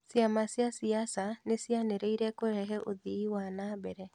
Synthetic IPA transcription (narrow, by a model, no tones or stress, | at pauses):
sjamasjasiasanesjaneɾeiɾɛkoɛɦɛʔoðiiwanabɛɾɛ